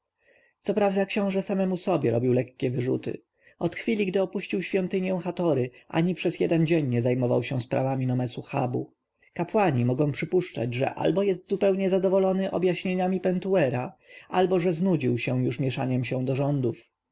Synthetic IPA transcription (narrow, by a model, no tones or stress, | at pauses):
t̪sɔpɾavd̪akɕɔ̃w̃ʐɛsamɛmusɔbʲjɛɾɔbʲiwlɛkkʲɛvɘʐṵt̪ɘ̰ | ɔt̪xfʲilʲiɡd̪ɘɔpuɕt͡ɕiwɕfʲjɔ̃nt̪ɘɲjɛw̃xat̪ɔɾɘʔa̰ɲipʂɛzjɛ̰d̪ɛnd͡ʑɛɲɲɛzajmɔva̰wɕɛspɾa̰vamʲinɔmɛsuxa̰bu | kapwaɲimɔɡɔ̃w̃pʂɘpuʂt͡ʂa̰d͡ʑʐɛ̰ʔa̰lbɔjɛst̪zupɛwɲɛzad̪ɔvɔlɔnɘʔɔ̰bjaɕɲeɲamʲipɛnt̪uɛɾaalbɔʐɛznud͡ʑiwɕɛw̃juʂmʲjɛʂa̰ɲɛmɕɛ̃d̪ɔʐɔnd̪uf